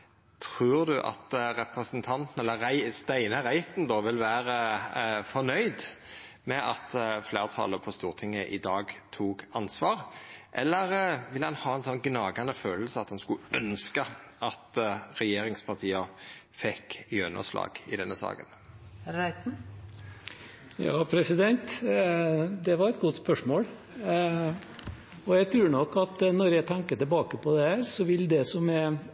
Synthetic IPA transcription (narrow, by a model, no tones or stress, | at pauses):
t̪ʰʁʉːʁd̪ʉʔɑ̰t̪ʁɛpʁəsnt̪ʰɑnt̪n̩ɛlːəʁæɪst̪æɪnəʁæɪt̪n̩d̪ɔʋɪlʋæːɾəfɔʁnœʏd̪ | mɛʔɑt̪fleːʁt̪ʰɑ̰ləpʰɔst̪uːʁt̪ʰɪŋːəʔɪd̪ɑːɡt̪ʰuːɡɑnsʋɑːʁʔɛlːəʁʋɪlːhɑnhɑːɛnsɔnɡnɑːɡɑnəføːllsəɑt̪hɑnskʉʔœnskəʔɑt̪ɾɛjeːɾɪŋspʰɑt̪ʰiːə | fɛkːjœnə̰ʂlɑ̰ːɡ̥ɪ̰d̪ɛnːəsɑ̰ːkə̰n | ɾæɪt̪n̩ | jɑ̰ːpʰɾɛsɪd̪ɛnt̪ | d̪ɛʋɑɾɛt̪ɡʊt̪spœʂmoːl | ɔjæɡt̪ʰɾʉːɳɔkːɑt̪nɔɾjæɪt̪ʰæŋkəʈ̪ɪlbɑːkəpʰɔd̪ɛhæːɾsɔʋɪld̪ɛsɔmɛ